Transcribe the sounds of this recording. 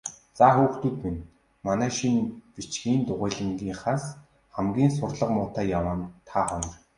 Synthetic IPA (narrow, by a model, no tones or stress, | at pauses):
t͡saːxuːxt̪ŭːt̪min | manæːʃinpit͡ɕɡiːnt̪ʊʁæːɮə̆ŋɡiːŋχaːs | χæmɡʲiːns̬ʊrɮə̆qmʊːt̪æːjawaːnt̪ʰaːχɔnɞ̆r